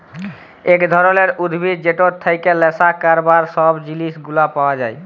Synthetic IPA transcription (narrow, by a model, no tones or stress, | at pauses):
ekd̪ʱɔɾoleɾud̪ʱbʱid̪d͡ʒeʈoɾt̪ʰajkelːesakaɾbaɾsɔbd͡ʑilisɡulapawad͡ʒaj